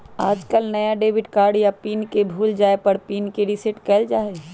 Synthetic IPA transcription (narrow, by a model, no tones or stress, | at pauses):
aːd͡ʒkəlnəjaɖeːbɪʈkaːɾɖjapiːnkebʱuːld͡ʒaːepəɾpiːnkeɾɪsɪʈkɛːld͡ʒaːe